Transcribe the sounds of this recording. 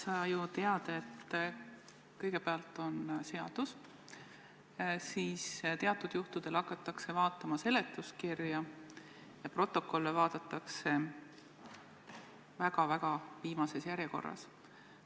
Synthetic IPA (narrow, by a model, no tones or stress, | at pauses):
sɑːjut̪e̞ɑd̪̥ɑe̞t̪ː | kɤjɡe̞peɑlt̪ːˑo̞nse̞ɑd̪̥us | siːst̪e̞ɑt̪ːˑud̪̥juht̪ud̪̥e̞lɑkːˑɑt̪ːˑɑkse̞vɑːt̪ːˑɑmɑse̞le̞t̪ːˑus̚kirjɑ | jɑpro̞t̪ːˑo̞kːˑo̞lːevɑːd̪̥ɑt̪ːˑɑkse̞ | væɡ̥ɑvæɡ̥ɑviːmɑse̞sjæɾjeko̞̰rːɑ̰s